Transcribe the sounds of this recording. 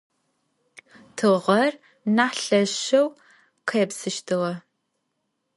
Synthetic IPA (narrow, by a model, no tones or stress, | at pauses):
tʰɨʁɐr | naːħɬɐʃɐw | qʰɐjɛpsɨʃtʰɨʁɐ